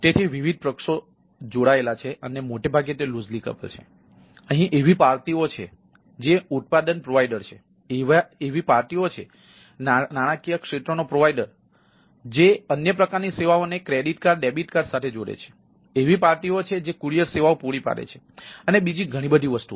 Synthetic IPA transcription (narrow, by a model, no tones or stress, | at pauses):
t̪et̪ʰiʋiʋid̪̚ʱpɾəkʂo | d͡ʒoɽaelat͡ʃʰeʔənemoʈebʱaɡjet̪elud͡ʒlikə̰pə̰lt͡ʃʰḛ | əɦĩʔeʋipaɾt̪iot͡ʃʰḛ | d͡ʒeut̪̚pad̪ənpɾoʋaiɖəɾt͡ʃʰe | eʋaeʋipaɾt̪iot͡ʃʰe | nnaɽ̃akijəkʂet̪ɾonopɾoʋaiɖəɾ | d͡ʒeənjəpɾəkaɾniseʋaonekɾeɖiʈkaɾɖebiʈkaɾsat̪ʰed͡ʒoɽḛt͡ʃʰe̥ | eʋipaɾt̪iot͡ʃʰed͡ʒekuɾijəɾseʋaopuɽipa̰ɾḛt͡ʃʰe̥ | ənebid͡ʒiɡʱəɽ̃ĩbəd̪ʱiʋəst̪ṵ